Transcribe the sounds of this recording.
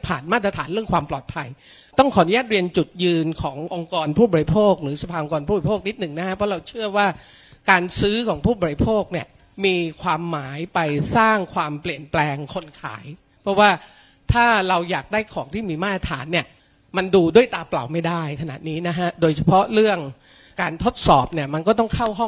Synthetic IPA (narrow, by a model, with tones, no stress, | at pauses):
pʰa̰ː˨˩nmaː˥˩t̪̚ɾa˧t̪ʰaː˩˦nɾɯ˥˩əŋkʰwaː˧mplɔ̰ː˨˩t̪̚pʰa˧j | t̪ɔ˥˩ŋkʰɔː˩˦nu˦jaː˥˩t̪̚ɾi˧ənt͡ɕu˨˩t̪̚jɯː˧nkʰɔː˩˦ŋʔo˧ŋkɔː˧npʰuː˥˩bɔː˧ɾi˧˥pʰoː˥˩k̚ɾɯː˩˦sa˧pʰaː˧ʔo˧kɔː˧npʰuː˥˩bpʰoː˥˩k̚ni˦˥t̪̚nɯ˨˩ŋna˦˥kʰa˦˥pʰɾɔ˦˥ɾa˧wt͡ɕʰɯ˥˩ɐwaː˥˩ | kaː˧nsɯː˦˥kʰɔː˩˦ŋpʰuː˥˩bɔː˨˧ɾi˧˥pʰoː˥˩k̚ni˥˩ɐ | miː˧kʰwaː˧mːaː˩˦jpa˧jsaː˥˩ŋkʰwaː˧mpli˨˩ənplɛː˧ŋkʰo˧nkʰa̰ː˩˦j | pʰɾɔ˦˥waː˥˩ | t̪ʰaː˥˩ɾa˧wjaː˨˩k̚daː˥˩jkʰɔː˩˦ŋt̪ʰiː˥˩miː˧maː˥˩t̪̚ːɾa˧t̪ʰa̰ː˩˦nːi˥˩ə | ma˧nduː˧du˥˩əjt̪aː˧pla̰˨˩wma˥˩jda˥˩jkʰa˧na̰˨˩t̪̚niː˦˥na˦˥kʰa˦˥doː˧jt͡ɕʰa˧pʰɔ˦˥ɾɯ˥˩əŋ | kaː˧nt̪ʰo˦˥t̪̚sɔː˨˩p̚ni˥˩ɐma˧nkɔː˥˩t̪ɔ˥˩ŋkʰa˥˩wɦɔ˥˩